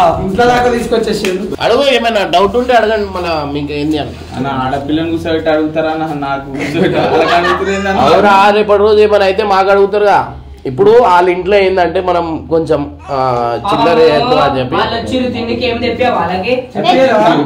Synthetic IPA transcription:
iɳʈloːlaːkɐt̪iːsu̥kot͡ʃːeːseːɾuɐ̰ɽuɡoeːmɐjnɐɖɐwuʈuɳʈeːɐɽɐɡɐɳɖimɐlːɐmiːkeːnd̪iɐn | ɐ̰nɐaːɽɐpilɐnɡusɐɾiʈeɐɽuɡut̪aːɾaːnɐnaːkuusɐʈɐlɐɡeɐɽuɡut̪iɾeːnd̪ɐnɐʋɐɾaɾepɐɽɐɾo̞ːd͡ʒeːmɐnɐjt̪e̞ːmaːkɐɽuɡut̪̬aːɾuɡaː | ipːuɽuaːliɳʈloːeːnd̪ɐɳʈe̞ːmɐnɐmko̞ɲt͡ʃem | t͡ʃilːɐɾet̪ːuaːd͡ʒepːilɐt͡ʃːiɾud̪inːikeːmd̪epːjaːʋɐlaːɡet͡ʃe

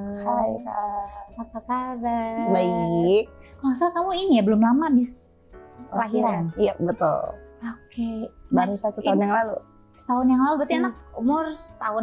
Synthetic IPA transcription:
hajka̰pakakadabai | kolasalk̪amuinijabəlʊmlamabɪs | əlaɦiɾanijabət̪ʊ̰lokebaɾusat̪ut̪aʊnjaŋlalṵ | sə̥t̪aʊnjaŋlalubəɾt̪ianak̚umʊrsə̥t̪aʊ

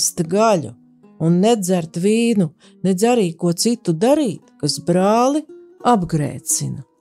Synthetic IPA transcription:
st̪ɡalʎṵ | unːed̪zæɾt̪viːnu | ned̪zaɾiːkuɔt̪sit̪ud̪aɾiːt̪kasbɾaːlˠiabɡɾḛːt̪sinɐ

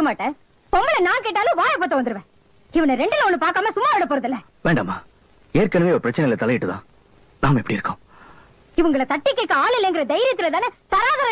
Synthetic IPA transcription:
ɐmaːʈːɐ̃ | pɔmbɐlɐnaːkeːʈ̬ːaːlõːʋaːjɐp̬oːt̪ːɐʋɐnd̪ɯɾɯʋẽː | ɪʋɐnɐɾɛɳɖɯlɐɔnːɯpaːɾkaːmɐsʊmːaːʋɪɽɐpoːɾɐðɪlːɐ | ʋeːɳɖɐmːaː | eːɾkɐnɯmeːɔɾɯpɪɾɐt͡ʃːɐnɐɪlɐt̪ɐlɐjɪʈːɯt̪ã̰ː | naːmɛpɐɽiɪɾɯkːõ̰ː | ɪʋɐŋɡɐɭɐt̪ɐʈːɪkːeːkːɐ̃aːɭɪlːɛŋɡɪɾɐd̪ɐɪɾɪɐt̪ːɯlɐt̪aːnesɐɾaːðaɾɐ

